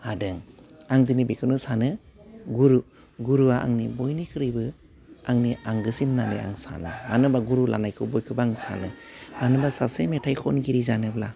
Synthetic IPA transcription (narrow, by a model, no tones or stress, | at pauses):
hadɯŋaŋdinibikʰɯnɯsanɯɡuɾu | ɡuɾuwaʔa̰ŋnibojnikʰɯɾibɯ | aŋniaŋɡɯsinːanɯ̰a̰ŋsa̰nɯmanɯbaɡuɾula̰najkʰɯbojkʰɯbaŋsa̰nɯmanɯbasasemetʰajkʰɔnɡiɾizanɯbla